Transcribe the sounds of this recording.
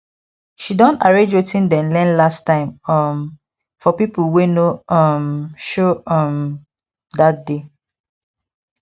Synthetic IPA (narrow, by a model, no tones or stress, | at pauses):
ʃidɔ̃ntaɹẽd͡ʒwetĩndɛ̃nlɛ̃nlastãɪ̃mɔm | fɔpipulwenoʌmʃoʌm | dat̚de